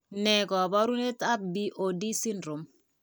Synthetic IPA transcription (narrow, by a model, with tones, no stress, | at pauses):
nɛ˨kɔ˨ba˦ɾu˦ne˦ta˦p̚bi˦ʔo˨di˦si˦ndɾo˨m